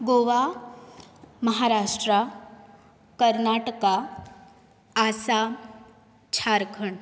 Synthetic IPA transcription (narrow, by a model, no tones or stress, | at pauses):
ɡoʋa | mɐɦaɾaːʂʈɾa | kəɾnaʈəka | sa | t͡ʃʰaːɾkʰəɳ